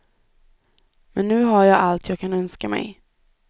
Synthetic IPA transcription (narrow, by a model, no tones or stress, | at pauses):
mɛnːʉ̟ːɦaɾjɑːɡalt̪ʰjɑːɡ̚kʰanœnskamɛ̰j